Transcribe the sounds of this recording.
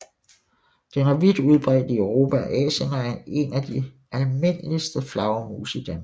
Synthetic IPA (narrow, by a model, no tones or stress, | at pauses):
d̥enæɐʋid̥uð̞ˠb̥ʁɛ̰ːd̥əøʊʁo̝̰ːpʰæʔɛ̰ːɕənæɐe̝næd̥i | ʔælme̝n̰əlisd̥əflɑ̈ʊmṵːsid̥æn